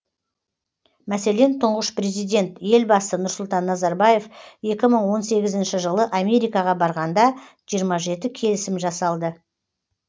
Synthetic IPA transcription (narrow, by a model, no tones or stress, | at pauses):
mæse̞le̞nt̪ʰʊɴʁəʃpre̞zijd̪ʲe̞nt̪je̞lbɑsənʊɾsʊlˠt̪ɑnːɑzɑɾbɑje̞fje̞kʲɪməɴwo̞nse̞ɡʲɪzɪnʃɪʒəlˠəʔamʲe̞ɾijkɑʁɑbɑɾʁɑnd̪ɑ | ʒ̥ijəɾmɑʒe̞t̪ɪkʲʰe̞lɪsɪmʒɑsɑlˠd̪ə